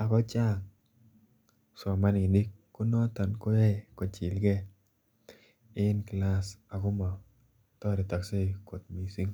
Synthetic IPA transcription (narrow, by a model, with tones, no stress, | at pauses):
a˨kɔ˦t͡ʃa˦˨ŋ | sɔ˨ma˦nɪ˨di˦kːʊ˦nɔ˦t̪ɔ˨nkʊ˦jɛ˦˨kɔ˨t͡ʃi˨lɡɛ˦ | ɪ˦nkla˦sa˨kʊ˦mɔ˨ | t̪ɔ˦ɾɪ˨ta˨kse˦˨ko˨t̪̚mi˨si˦ŋ